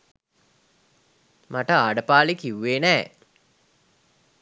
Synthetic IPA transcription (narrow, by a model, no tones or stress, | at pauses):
maʈəaːɖəpaːlikiwːeːnɛː